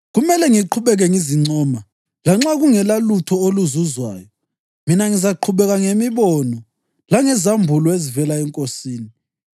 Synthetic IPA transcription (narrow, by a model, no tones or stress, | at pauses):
ɣumɛlɛŋiǃʰuβɛɣɛŋiziŋ͡ǀʱɔːma | laŋ͡ǁaɣuŋɛlalutʰɔoluzuzwa̰ːjɔ | minaŋizaǃʰuβɛɣaŋemiβɔnɔ | laŋɛzambʱulɔezivɛlaɛŋkʼosiːni